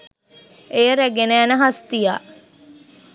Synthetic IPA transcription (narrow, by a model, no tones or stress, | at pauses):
ejəɾæɡenæːnəɦast̪ijaː